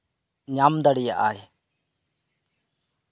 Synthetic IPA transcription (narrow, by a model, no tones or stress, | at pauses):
ɲamd̪ɐɽijaʔaj